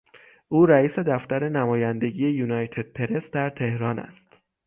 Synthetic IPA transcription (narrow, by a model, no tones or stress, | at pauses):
ʔuːɾæiːse̞d̪æft̪æɾe̞næmɒːjænd̪e̞ɟije̞juːnɒjt̪ʰe̞d̪̥̚pʰe̞ɾe̞sd̪æɾt̪ʰe̞hɾɒːnæ̰st̪